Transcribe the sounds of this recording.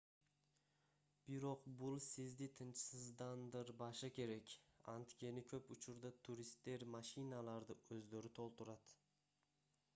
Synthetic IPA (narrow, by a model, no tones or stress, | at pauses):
b̥ɪɾoqbʊlˠsɪzd̪ɪt̪ʰɨnt͡ʃʰsɪzd̪and̪ɪɾbɑʃakʲʰe̞ɾɛkʲa̰nt̪kʲʰe̞nɪkʲʰɵpʊt͡ʃʰʊɾd̪at̪ʰuɾist̪ːe̞ɾmaʃinalˠaɾd̪ɪɵzløɾɪt̪ʰolˠt̪ʊɾad̪̥